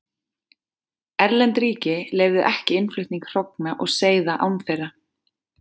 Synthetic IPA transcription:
ɛɾlɛnt̪ɾiːcɪleːjɣvðɪʔɛhcɪɪnflʏht̪niŋkr̥owknaʔɔɣseːjðaʔawnθejrːa

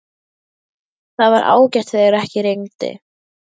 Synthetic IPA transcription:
θaðvaɾʔa̰ːwcɛht̪eɣaɾɛhcɪɾejŋt̪ɪ̰

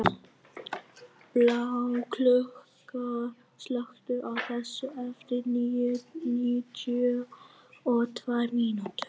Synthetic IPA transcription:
plawkʰlœhka | slœxt̪ʏʔawθɛsːʏɛft̪ɪɾniːjʏnit̪ʏ | ɔɣt̪ʰvajmiːnut̪

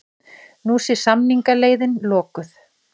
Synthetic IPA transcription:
nuːsɪ̥samniŋkaleːjðɪnlɔːkʏθ

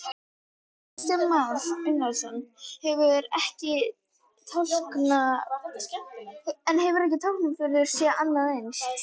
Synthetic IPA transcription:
st̪ɛmmasɪnalsɔnhɛvʏɾɛhcɪ | t̪ʰalkna | ɛnɦɛvʏɾɛhcɪt̪ʰawl̥knʏmfɪɾʏɾ̥sjɛʔanːaðejns

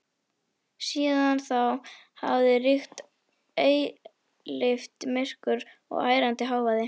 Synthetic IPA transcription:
siːðanθaw | ha̰vðɪrixt̪ | eːj | lɪft̪mɪr̥kʏɾ | ɔ̰ɣa̰ːjɾant̪ɪɦaːwvaðɪ

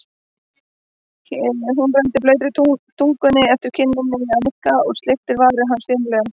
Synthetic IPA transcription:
ɦunrɛnt̪ɪpleːjt̪ɾɪt̪ʰut̪ʰuŋkʏnːɪɛft̪ɪɾ̥cʰɪnːɪnːɪɪaɪhkaɔɣst̪leht̪ɪɾvaðɾɪɦanːsvɪːnlɛːɣa

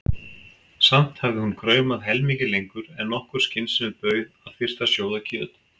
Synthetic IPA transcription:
sam̥t̪havðɪhunkʰɾœːɥmaðɦɛlmiːcɪlejŋkʏɾɛnːɔhkʏɾ̥scɪnsɪnʏpœːɥðaðfɪr̥t̪asjoːwðacʰœːt̪

